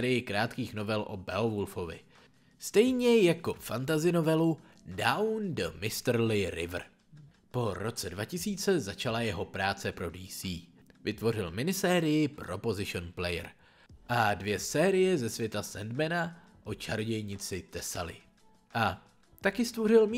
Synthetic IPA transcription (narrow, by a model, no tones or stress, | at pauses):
ɾɪjɪkɾaːt̪kiːxno̞vɛlʔo̞̰bɛovolfo̞vɪ̰ | st̪ɛjɲɛjako̞fant̪̬azɪno̞vɛlu | dawndəmɪst̪rlɪɾɪ̰vr̩ | po̞ɾo̞t͡sɛdvacɪsiːt͡sɛzat͡ʃalajɛɦo̞pɾaːt͡sɛpɾo̞diːsiː | vɪt̪vo̞rɪlmɪnɪsɛːɾɪjɪpɾo̞po̞zɪʃonplɛjɛ̰ɾ | ʔadvjɛsɛːɾɪjɛzɛsvjɛt̪asɛndmɛna | ʔo̞t͡ʃaɾɟɛjɲɪt͡sɪt̪ɛsalɪ̰ | ʔa | t̪akɪst̪vo̞rɪl